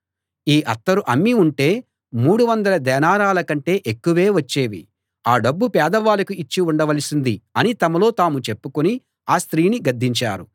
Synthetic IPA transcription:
iːʔɐ̰t̪ːɐɾuʔɐmːiuɳʈe̞ː | muːɽuʋɐnd̪ɐlɐd̪ɛːnaːɾaːlɐkɐɳʈe̞ːʔekːuʋe̞ːʋɐt͡ʃːe̞ːʋḭ | aːɖɐbːupɛːd̪ɐʋaːlɐkuit͡ʃːiuɳɖɐʋɐlɐsind̪iɐnit̪ɐmɐlo̞ːt̪aːmut͡ʃe̞pːukoni | aːst̪ɾiːniɡɐd̪ʱːiɲt͡ʃa̰ːɾu

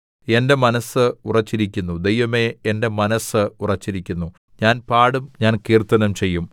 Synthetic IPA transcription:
e̞nde̞mɐnɐsɨurɐt͡ɕːiɾikʲːunːud̪ejʋɐme̞ende̞mɐnɐsɨurɐt͡ɕːiɾikʲːunːu | ɲaːnpaːɽumɲaːnkiːrt̪ːɐnɐmt͡ɕe̞jːum

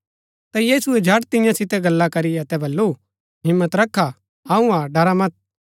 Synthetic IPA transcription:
t̪ajiːsuɛd͡ʒʱɐʈt̪ɪ̃jãsɪt̪ɛɡɐlːakɐɾiɐt̪ɛbɐlːu | ɦɪmːət̪ɾɐkʰːa | ɐũaɖɐɾamɐt̪̚

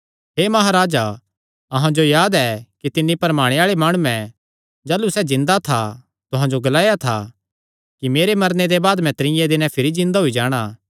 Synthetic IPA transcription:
ɦeːmɐɦaːɾaːd͡ʒa | ɐɦãd͡ʒojaːd̪ɛkit̪ɪnːipɐɾmaːɽ̃eaːɭemaːɽ̃uɛ̃ | d͡ʒaːlusɛd͡ʒɪ̃nd̪at̪ʰa | t̪ʊɦãd͡ʒoɡɐlaːjat̪ʰa̰ | kimeːɾemɐɾned̪ebaːd̪mɛ̃t̪ɐɾɪ̃jɛ̃d̪ɪnɛ̃pʰɪɾid͡ʒɪ̃nd̪aɦʊid͡ʒaːɽ̃aː

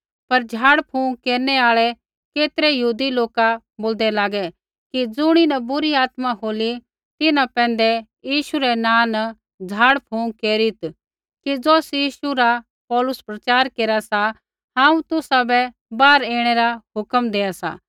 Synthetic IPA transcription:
pɐɾd͡ʒʱaːɽpʰũːkeːɾnɛaːɭɛ | keːt̪ɾɛjəɦuːd̪iloːka | boːld̪ɛlaːɡɛ | kid͡zʊɽ̃inɐbʊɾiaːt̪maɦoːli | t̪ɪnãpɛ̃ːn̆d̪ɛ | jiːʃuɾɛnãːnɐ | d͡ʒʱaːɽpʰuːkeːɾit̪ | kid͡zɔːsjiːʃuɾa | pɔːlʊspɾɐt͡ʃaːɾkeːɾasa | ɦãːũt̪ʊsabɛ | baːɾeːɽ̃ɛɾaɦʊkəmd̪eːasa̰ː

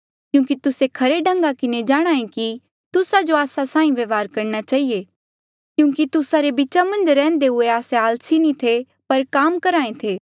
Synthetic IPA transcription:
kjũːkit̪ʊsekʰɐɾeɖʱɐ̃ŋɡakɪned͡ʒaːɽ̃aːẽki | t̪ʊsad͡ʒoaːsasãːĩʋeːʋaːɾkɐɾnat͡ʃaːie | kjũːkit̪ʊsaɾebɪt͡ʃamɐ̃nd͡ʒɾɛ̃ːnd̪eɦʊeaːseaːlsinĩt̪ʰe | pɐɾkaːmkɐɾaːẽt̪ʰeː

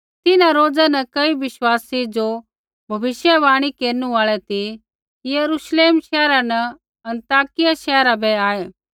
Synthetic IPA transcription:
t̪ɪnãɾoːd͡zanɐkɐiʋɪʃwaːsid͡ʒo | bʱɐʋɪʃjɛbaːɽ̃ikeːɾnũaːɭɛt̪i | kijɐɾuʃleːmʃɛːɾanɛ | ɐ̃nt̪aːkɪjaʃɛːɾabʱɛaːeː

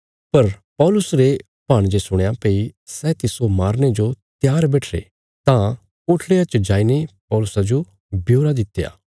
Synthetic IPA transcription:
pɐɾpɔːlʊsɾe | paːɽ̃d͡ʒesʊɽ̃ejapeːisɛt̪ɪsomaːɾned͡ʒot̪jaːɾbɛːʈʰɾḛ | t̪ã | koːʈʰɽeɐt͡ʃd͡ʒaːinepɔːlʊsad͡ʒo | bjoːɾad̪ɪt̪ːeja̰ː

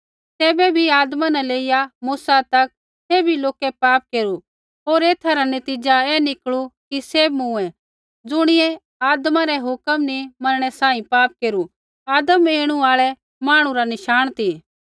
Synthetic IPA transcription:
t̪ɛːbɛbʱiaːd̪mãnɛleːɪjamuːsat̪ɐk̚ | seːbʱiloːkɛpaːp̚keːɾu | oːɾeːt̪ʰaɾanɐt̪iːd͡ʒaɛːnɪkɭukiseːmũɛ | d͡zʊɽ̃ɪɛ | aːd̪mãɾɛɦʊkəmnimɐnəɽ̃ɛsãːĩpaːp̚keːɾu | aːd̪əmeːɽ̃uaːɭɛ | maːɽ̃ũɾanɪʃaːɽ̃t̪ʰiː

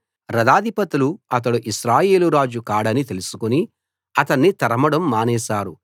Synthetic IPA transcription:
ɾɐd̪aːd̪ʱipɐt̪uluɐt̪̬ɐɽuʔiʃɾaːje̞ːluɾaːd͡ʒukaːɽɐnit̪e̞lusu̥kuni | ɐt̪ɐɳːit̪ɐɾɐmɐɽɐmːaːnɛːʃaːɾu

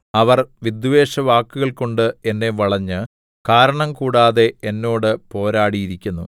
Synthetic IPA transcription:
ɐʋɐrʋid̪ʋeːʂɐʋaːkːuɣɐɭko̞ɳɖɨe̞nːe̞ʋɐɭɐɲːɨ | kaːɾɐɳɐmkuːɽaːðe̞enːo̞ːɽɨpo̞ːɾaːɽijiɾikʲːunːṵ

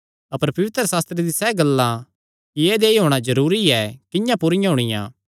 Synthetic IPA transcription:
ɐpəɾpɐʋɪt̪ɾəsaːst̪ɾed̪isɛːɡɐlːã | kieːd̪eːiɦoːɽ̃azɐɾuːɾiɛkɪ̃jãpʊɾɪjãɦʊɽ̃ɪjã̰ː

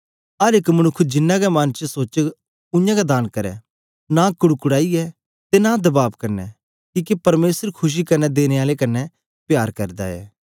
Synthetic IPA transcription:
ɐɾekmɐñʊkʰːd͡ʒɪnːãɡɛmɐnt͡ʃəsoːt͡ʃ | ʊ̃jãɡad̪aːnkɐɾɛ̰ | nakʊɽkʊɽaːiɛ | t̪enad̪ɐbaːbkɐnɛ̰ | kiːkipɐɾmeːsəɾkʰʊʃ̬ikɐnɛd̪eːneaːlekɐnːɛ | pjaːɾkɐɾd̪a̰ɛ̰ː

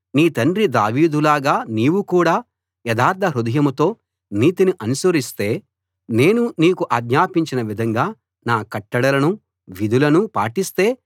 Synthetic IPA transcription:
niːt̪ɐɳɖɾid̪a̰ːʋiːd̪ulaːɡaːniːwukuːɽaː | jɛd̪aːɾt̪ʰɐɾud̪ɐjɐmut̪o̞ː | niːt̪iniʔɐnusɐɾist̪e̞ː | ne̞ːnuniːkuʔaːɡɲaːpiɲt͡ʃinɐʋid̪ʱɐŋɡaː | naːkɐʈːɐɽɐlɐnu | ʋid̪ʱulɐnupa̰ːʈist̪e̞ː

